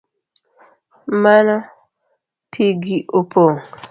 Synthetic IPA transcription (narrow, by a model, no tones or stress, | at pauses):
mana | pʰiɡiʔopʰoŋ